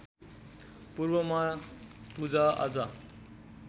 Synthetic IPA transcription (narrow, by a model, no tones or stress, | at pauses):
purbʌmapud͡zaa̰d͡zʌ